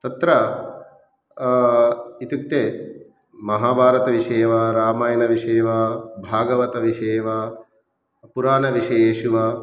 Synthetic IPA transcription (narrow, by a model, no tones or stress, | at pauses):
t̪ɐt̪ɾɐ | it̪ik̚t̪eː | mɐɦaːbʱaːɾɐt̪ɐʋiʂeːʋɐɾaːmaːjɐnɐʋiʂeːʋɐbʱaːɡɐʋɐt̪ɐʋiʂeːʋɐ | puɾaːnɐʋiʃɐjeːʃuʋɐ